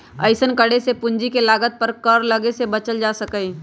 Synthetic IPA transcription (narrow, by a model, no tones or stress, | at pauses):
ə̰ɪsənkəɽesepʊ̃ɲd͡ʒikelaːɡət̪̚pɐɾkɐɾlɐɡesebɐt͡ʃəld͡ʒaːsɐkəi